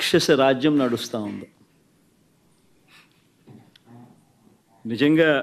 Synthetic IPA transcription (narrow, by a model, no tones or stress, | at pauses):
kʂɐsɐɾaːd͡ʒjɐmnɐɽust̪aːund̪i | nid͡ʒɐŋɡaː